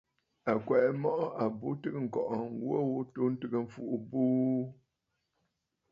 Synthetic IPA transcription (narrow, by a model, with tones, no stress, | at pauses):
a˨kwɛ˨ʔɛ˦mɔ˦ʔɔ˦ʔa˨bu˦tɨ˦ɣɨ˦ŋ̩˨kɔ˨ʔɔ˨wwo˦wu˦tu˦n̩˦tɨ˨ɡɨ˦ɱ̩˨fu˦˨ʔu˨bu˦